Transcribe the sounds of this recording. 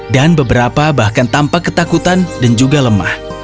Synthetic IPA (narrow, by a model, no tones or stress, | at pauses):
danbəbəɾapabahkant̪ampakːət̪akut̪andand͡ʒuɡaləma̰h